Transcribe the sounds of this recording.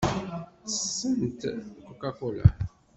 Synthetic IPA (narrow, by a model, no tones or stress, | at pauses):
t͡sə̥sːənt̪kokakola̰